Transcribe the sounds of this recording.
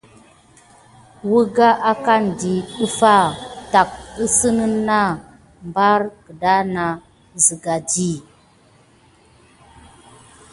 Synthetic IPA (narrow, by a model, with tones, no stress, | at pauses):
wu˦ɡa˦ʔa˦ka˦n˨di˨ɗə˦fa˦˨ta˨k̚ə˦sə˦nə˦nːa˦˨ | mba˦ɾkə˨da˦na˨ | zi˨ɡa˨di˦